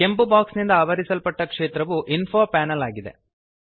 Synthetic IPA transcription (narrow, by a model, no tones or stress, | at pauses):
ke̞mpubaːksnind̪ɐaːʋɐɾisɐlpɐʈːɐkʂeːt̪ɾɐʋuʔinpʰoːpaːnɐlaːɡid̪ḛ